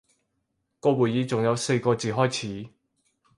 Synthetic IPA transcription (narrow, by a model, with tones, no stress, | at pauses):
kɔː˧wuː˨˩jiː˨˧t͡sʊ˨ŋjɐ˨˧wse˧jkɔː˧t͡siː˨ɦɔː˥jt͡sʰiː˨˥